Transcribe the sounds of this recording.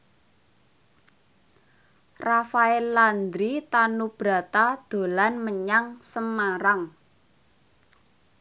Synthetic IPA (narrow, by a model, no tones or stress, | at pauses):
rafaɛlːand̪ɾit̪anub̥ɾa̤t̪ad̪̥o̤lanməɲaŋsəmaɾaŋ